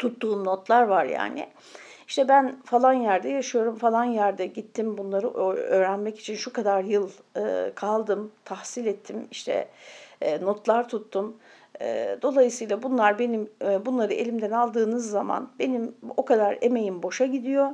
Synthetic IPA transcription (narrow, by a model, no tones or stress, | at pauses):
t̪ʰut̪ːuːmnot̪lˠaɾvaɾja̰ːnɪ̰ | iʃt̪ʰɛbænfalˠanjæɾd̪ɛjaʃɯjo̞ɾumfalˠanjæɾd̪ɛɟit̪ʰːimbunlˠaɾɯʔøːɾænmɛci̥t͡ʃʰinʃukad̪aɾjɯlˠɯ̰ːkʰalˠd̪ɯmt̪ʰahsilʲɛt̪ʰːimiʃt̪ʰɛ̰ː | no̞t̪lˠaɾt̪ʰut̪ʰːum | ɯ̰ːd̪o̞lˠajɯsɯjlˠabunlˠaɾbe̞nimbunlˠaɾɯe̞lʲimd̪ɛnalˠd̪ɯːnɯzːama̰nbe̞nimo̞kʰad̪aɾeme̞jimbo̞ʃaɟid̪ijo̞